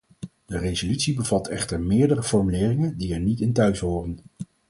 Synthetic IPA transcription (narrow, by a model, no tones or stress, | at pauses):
d̥ərejzolytsibəvɑtʰɛχtəɹmɪːɹdərəfɔɹmylɪːrɪŋəndiɛɹnitɪntœɥsɦoːrən